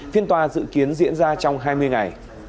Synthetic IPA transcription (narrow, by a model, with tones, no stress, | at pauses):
fi˧ənt̪waː˨˩zɨ̰˧˨ki˨˦ənzḭ˧˥ənzaː˧t͡ɕɔ˧wŋ͡mɦaː˧jmɨ˧əjŋa˨˩j